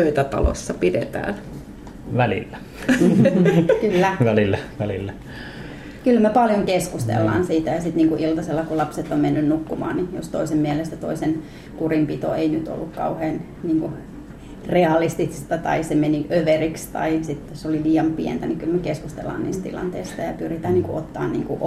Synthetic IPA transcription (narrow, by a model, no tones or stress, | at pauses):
øyt̪æt̪ɑ̰lo̰sːɑpidet̪æ̰ːn | ʋælḭlːæ | kylːæʋælilːæʋælilːæ | kylmæpɑljoŋkeskust̪ḛlːɑ̰ːnsiːt̪æjɑsit̪niːŋkuʔilt̪ɑselːɑkulɑpset̪ːommenːynnukːumɑ̰ːnnijost̪oisemmiælest̪æt̪o̰isen | kurimpit̪o̰einyt̪o̰lːukkɑ̰uheːn | niːŋku | reɑlist̪ist̪ɑt̪ɑ̰isemeniʔøʋerikst̪ɑ̰isit̪ːosoliliːɑmpiɛ̰nt̪ænikylmækeskust̪ḛlːɑ̰ːniːst̪t̪ḭlɑ̰nt̪ḛˑist̪ɑjɑpyrit̪æːniːŋkuʔot̪ːɑ̰ːnnḭːŋkuʔ